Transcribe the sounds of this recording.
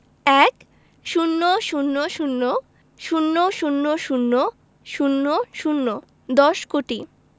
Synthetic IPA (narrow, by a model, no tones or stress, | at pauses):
ɛk | ʃunːoʃunːoʃunːo | ʃunːoʃunːoʃunːo | ʃunːoʃunːo | d̪ɔʃkoʈi